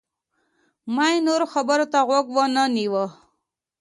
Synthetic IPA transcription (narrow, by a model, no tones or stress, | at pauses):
mainoɾoxabəɾot̪aɣwaɡwanəniwə